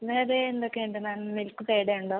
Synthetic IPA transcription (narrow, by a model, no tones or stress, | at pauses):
neːɾeːnd̪okːeɳɖɨnaːnmilkːɨpeːɽejuɳɖoː